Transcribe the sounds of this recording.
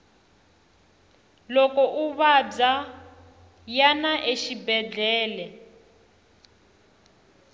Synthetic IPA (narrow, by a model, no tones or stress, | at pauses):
lɔkɔʔuβab͡ʐa | janaʔeʃibɛd͡ɮɛːlɛ